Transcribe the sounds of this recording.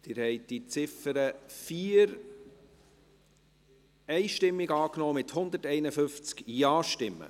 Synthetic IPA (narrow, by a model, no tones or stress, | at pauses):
d̪̥ɪːɾhɛɪd̪̥it͡sɪfəɾəfiːɾ | ɛɪʃtɪmːɪɡɑːknɔːmɪt̪hʊnd̪ətɛɪnəfʏft͡skjɑːʃtɪmːə̰